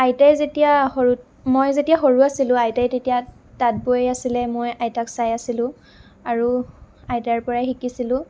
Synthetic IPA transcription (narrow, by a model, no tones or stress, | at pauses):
ajtajzetijahoɹu | mojzetijaɦoɹuasilʊ̃ajtajtetija | tat̚boasilɛmojajtaksajasilʊ̃ | aɹu | ajtaɹpɔɹaxikisilʊ̃